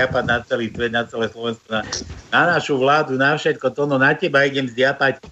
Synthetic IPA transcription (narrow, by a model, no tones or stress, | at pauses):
apad̪̚nat͡sɛliːsʋɛd̪nat͡sɛlɛːslɔʋɛnskɔnananaʃuʋlaːd̪unafʃɛt̪kɔt̪ɔnɔnacɛbaiɟɛmzd̪ɪapac